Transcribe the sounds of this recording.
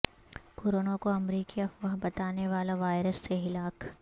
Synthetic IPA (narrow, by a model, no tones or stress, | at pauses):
koːɾoːnakoɐmɾiːkiɐfʋɐɦbɐt̪aːneʋaːlaʋaːɪɾəsːeɦɪlaːk